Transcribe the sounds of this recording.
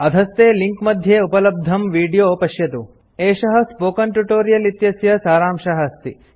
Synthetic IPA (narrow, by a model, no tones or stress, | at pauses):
ɐd̪ʱɐst̪eːliŋkmɐd̪ʱjeːupɐlɐb̚d̪ʱɐmʋiːɖijoːpɐʃjɐt̪u | eːʂɐɦɐ̆spoːkɐnʈjuʈoːɾijɐlit̪jɐsjɐsaːɾaːmʂɐɦɐst̪ḭ